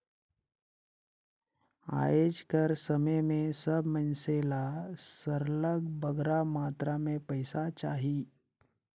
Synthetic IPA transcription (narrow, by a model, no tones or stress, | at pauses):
a̰jed͡ʒkəɾsəməjmẽsəbʱmənselasəɾləɡbəɡɾamat̪ɾamẽpəjsat͡ʃaɦi